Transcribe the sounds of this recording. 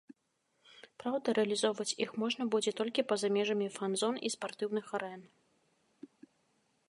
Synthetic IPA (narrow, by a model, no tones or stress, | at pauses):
pɾawd̪ɐɾɛɐlʲizɔwvɐt͡sʲixmɔʐnɐbud͡zʲɛt̪ɔlʲkʲipɐzamʲɛʐɐmʲifanzɔnispart̪ɨwnɨxaɾɛn